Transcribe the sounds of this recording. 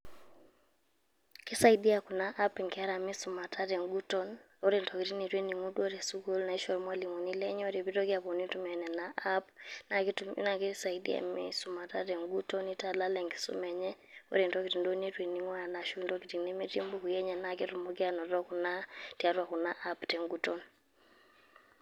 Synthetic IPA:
kɪ˦sa˦i˦di˦a˨ku˨na˦ʔa˦pi˨ŋkɪ˦a˦ɾa˨mɪ˦su˨ma˨tʰa˦tɛ˨ŋɡu˦tɔ˦n | o˦ɾe˨ntɔ˨ki˨ti˦ne˨twe˦ni˨ŋu˦dwo˦ɾɛ˨su˦ɡo˦lna˨i˦ʃɔ˨ɾmwa˦li˨ŋo˨ni˦lɛ˦ɲ˦o˦ɾe˨bi˦tɔ˦kɪ˦a˨pɔ˨ni˦tu˦mɛ˨nɛ˨na˨ʔa˦pna˨ktmna˨kɪ˦sa˨i˦dḭ˦a̰˨mɪ̰˦sʊ˨ma˨ta˦tɛ˨ŋɡu˦tɔ˦ni˦ta˨la˦lɛ˨ŋki̥˨sṵ˦mɛ˨ɲɛ˦o̰˦ɾe˨ntɔ˦ki˨ti˨ndo˦ne˦twe˨ni˨ŋwa˦˨na˨ʃu˦ntɔ˦ki˨ti˨ŋne˦me˦ti˦mbo˦ku˨jɛ˦ɲɛ˨na˨kɪ˦tu˨mɔ˦kɪ˦a˦nɔ˨tɔ˦ku˨na˦tja˦twa˨ku˨na˦ʔa˦ptɛ˨ŋɡu˦tɔ˦n

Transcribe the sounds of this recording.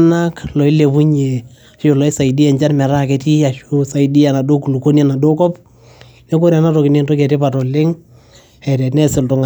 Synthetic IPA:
na˦klɔ˨i˦le˨pu˦ɲe˨ | a˨ʃo˨lɔ˨˦i˦sa˨i˨di˦ɛ˨ɲd͡ʒa˦nmɛ˨ɾa˦kɛ˨ti˦a˨ʃo˦sa˨idi˦a˨na˨do˦ku˨lu˨ko˦ni˦a˨na˨do˦kɔ˦p | nɛ˦ko˦ɾa˨na˦tɔ˨kɪ˨ne˦ntɔ˦kɛ˨tɪ˦pa˨tɔ˨lɪ˦ŋ | ɛ˨tɛ˨nɛ˦sɪ˨ltʊ˨ŋa

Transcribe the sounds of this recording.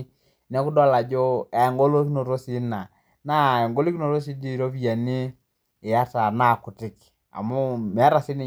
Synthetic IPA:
nɛ˨˦ku˦dɔ˦la˨d͡ʒɔ˦a˨ɛ˨ŋɡɔ˦lo˦ki˦no˨ɾo˦si˨˦na˨ | na˦˨ɛ˨ŋɡo˦li˦ki˦no˨ɾo˦s̬i˦di˦˨ɾo˦βi˦a˨niː˦˨ | ja˦ta˨na˦˨ku˨tɪ˨k | a̰˨mu˦mɛ˨a˦ɾa˨si˦ni˨

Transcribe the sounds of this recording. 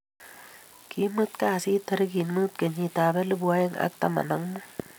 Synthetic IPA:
ki˨˦mɨ˦t̪̚ka˦˨si˦t̪ʰə˨ɾi˦ɡi˨nmɨ˦t̪̚ke˨ɲi˧t̪a˨be˦lɨ˦bu˧a˦jə˦ŋʔa̰˦k̚t̪a̰˦ma̰˨na˨˦ŋmu˦

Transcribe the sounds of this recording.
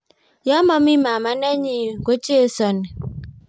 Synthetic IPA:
ja˦mɔ˦mi˦ma˨ma˦na˦ɲi˨ŋ˨ɡo˦t͡ʃe˦˨sɔ˨nɛ˨

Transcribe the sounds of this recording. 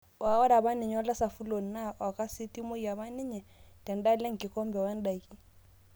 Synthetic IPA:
wa˨˦ɔ˦ɾa˨ba˦nɪ˨ɲ˨wa˦la˦sa˨fu˦lo˨n̩na˦wa˨kʼa˦sɪ˦ti˦mo˦i˨ja˨βa˦nɪ˦ɲɛ˨tɛ˨n̩˦da˦le˦ŋ̩˨kɪ˨kɔ˦mbɛ˨wɛ˦n̩˦da˨i˨kʼi˦

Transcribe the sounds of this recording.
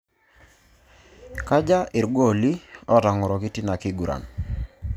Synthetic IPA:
ka˦d͡ʒa˦ʔɪ˨ɾɡwo˦˨li˦ɔ˦ta˨ŋɔ˨ɾɔ˨ki˦ti˦na˨ki˦ɡu˨ɾa̰˨n

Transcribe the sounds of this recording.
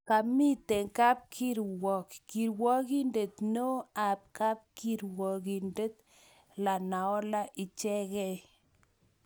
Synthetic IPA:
ka˨mi˦te˨ŋka˦p̚kʰi˦ɾwɔ˨kːi˨ɾwɔ˦ki˦nde˨t̪no˦a˨p̚ka˦p̚ki˨ɾwɔ˨ki˨nde˦t̪̚ | la˨na˨ɔ˦la˦ʔi˨t͡ʃɛ˦ɣɛ˦j

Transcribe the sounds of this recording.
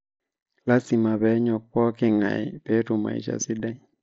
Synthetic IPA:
la˦si˨ma˨βɛ˨˦ɲɔ˨k̚ɔ˦kɪ˨ŋa̰˨pe˦tʊ˨ma̰˨ḭ˨t͡ʃa̰˨sɪ˦da˦

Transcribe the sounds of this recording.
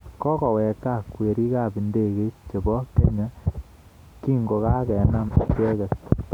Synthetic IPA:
kɔ˦kɔ˨wɛ˨ka˦˨kwe˨ɾi˦ka˦˨pi˨nde˦˨ke˦t͡ʃe˨bɔ˦ke˦ɲa˦ | ki˦ŋɡo˨ka˦kɛ˨na˦m˨kɛ˦kɛ˨st

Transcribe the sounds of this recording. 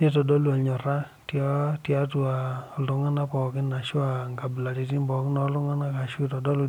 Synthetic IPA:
ni˦tɔ˨dɔ˦lu˦˨a˨ɲɔ˨ɾa˦ | tjɔ˦tja˦tu˨a˨ɔ˨lʊ˨ŋa˦na˦pɔ˨kɪ˦na˨ʃu˦a˨ŋɡa˨bla˨ti˨ti˦mbɔ˨˦knɔ˦lʊ˦ŋa˦na˦ka˨ʃu˦tɔ˨dɔ˦lu˦

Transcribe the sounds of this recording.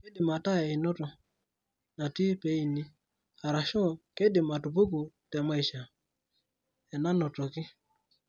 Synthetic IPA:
ke˦di˨ma˨ta˦ɛ˨i˨nɔ˦tɔ˨ | na˨ti˦pe˦i˨ni˦ | a˨ɾa˨ʃɔ˦˨ke˦di˨ma˨tu˨pu˦ku˨tɛ˨ma˦i˨ʃa˨ | ɛ˨na˦nɔ˨tɔ˨kɪ˦

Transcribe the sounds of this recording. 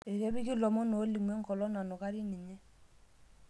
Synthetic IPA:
ɛ˨kɛ˦bɪ˦kɪ˦lɔ˨mɔ˦no˨˦li˨mwɛ˦ŋ̩˦kɔ˨lɔ˦na˨nɔ˨ka˦ɾi˦ni˨ɲɛ˦

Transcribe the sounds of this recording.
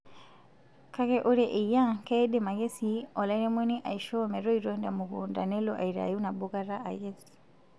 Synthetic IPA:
ka˦ɣɛʔu˦ɾɛʔe˨jã˦kɛdɛma˨ɣɛ˦siɔ˨la˦nɛ˦mwɛ˦niʔa̰˨iʃɔ˦mɛ˨ɾɔiɾɔndamu˨ɣunda̰˨nɛ˦lɔʔa̰˨iɾa̰juna˨bɔ˦ɣa˦ɾa˦ʔa̰˨jɛsi̥

